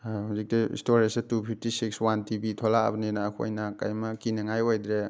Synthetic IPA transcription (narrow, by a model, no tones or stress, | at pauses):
huzik̚tiḭstoɾisetupʰip̚ʰtisikswantibitʰola̰bninaːkʰo̰jnakajmɐkinɐŋajojdɾe